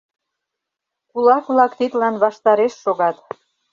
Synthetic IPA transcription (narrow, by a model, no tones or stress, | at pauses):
kulɑkβlɑkt̪it̪lɑnβɑʃt̪ɑɾeʃːoɣɑt̪